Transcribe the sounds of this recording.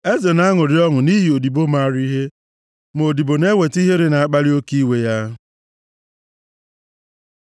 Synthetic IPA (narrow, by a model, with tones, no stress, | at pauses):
e˦ze˨na˦ŋʊ˨ɾɪ˦ɔ˦ŋʊ˨ni˦ɦi˨o˨di˨bo˦ma˦ɾi˦ɦe˦ | m˨o˨di˨bo˨ne˦we˨ti˦ɦe˦ɾe˦na˨a˦k͡pa˦lɪ˦o˦ki˦we˨ja˦